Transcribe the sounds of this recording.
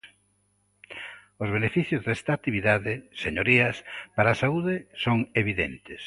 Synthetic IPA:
ozβenefiθjʊzðɛst̪at̪iβ̞iðaðɪseɲoɾiɐspaɾaːsauðɪsoŋeβ̞iðḛnt̪ɪs

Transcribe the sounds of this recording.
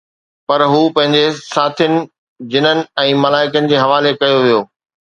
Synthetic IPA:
pɐɾɦuːpɐ̃ɦɪ̃ɲ̆d͡ʑesaːt̪ʰənɪ̆ | d͡ʑɪnənɪ̆ɛ̃ːmɐlaːɪkənɪ̆d͡ʑeːɦɐʋaːlekɐjoʋijoː

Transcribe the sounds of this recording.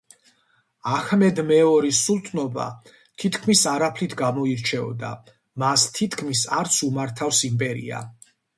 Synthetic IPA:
ahmɛd̪mɛɔɾisulˠt̪ʰnɔba̰ | t̪ʰit̪ʰkʰmisaɾapʰlit̪ʰɡamɔiɾt͡ʃʰɛɔ̰d̪a̰ | mast̪ʰit̪ʰkʰmisaɾt̪sʰumaɾt̪ʰafsimpʼɛɾḭa̰

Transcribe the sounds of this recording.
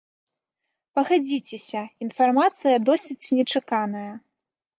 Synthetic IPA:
pɐɣad͡zʲit͡sʲɛsʲɐin̪farmat̪sɨjɐd̪ɔsʲit͡sʲnʲɛt͡ʂɨkanɐjɐ

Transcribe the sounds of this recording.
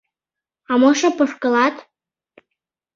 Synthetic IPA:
ɑmɤʃɤpɤ̆ʂkɤ̆lɑt̪

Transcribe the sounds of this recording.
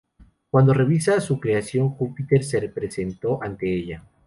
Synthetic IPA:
kwand̪o̞re̞βisasukɾe̞asjo̞ŋxupit̪e̞ɾse̞repɾe̞se̞nt̪o̞ʔant̪e̞eʎa

